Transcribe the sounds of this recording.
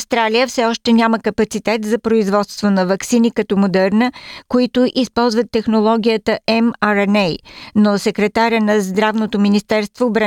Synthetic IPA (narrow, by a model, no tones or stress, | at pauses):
st̪ɾaliəfsɛɔʃt̪ɛnʲaməkəpɐt̪sit̪ɛt̪zɐpɾoizvɔt̪st̪vonɐvɐksinikɐt̪ɔmod̪ɛɾnəkoit̪ʊʔispɔlˠzvət̪ːɛxnolˠɔɡʲijət̪əʔɛmaɾɛnɛjnosɛkɾɛt̪aɾʲənɐzd̪ɾavnot̪ominist̪ɛɾst̪voːbɾa